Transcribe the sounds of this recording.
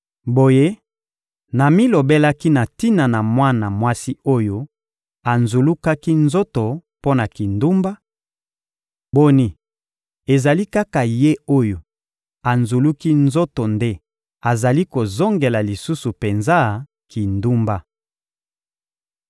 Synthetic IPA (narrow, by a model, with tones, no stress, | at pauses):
bo˨je˦ | na˨mi˦lo˨be˦la˦ki˦na˨ti˦na˨na˨mwa˦na˨mwa˦si˦o˦jo˦ | a˨nzu˨lu˦ka˦ki˦nzo˦to˨po˦na˨ki˨ndu˦mba˦ | bo˦ni˦ | e˨za˨li˦ka˦ka˨je˦o˦jo˨ | a˨nzu˨lu˦ki˦nzo˦to˨nde˦ | a˨za˨li˦ko˨zo˦ŋɡe˨la˨li˨su˦su˨pe˨nza˦ | ki˨ndu˦mba˦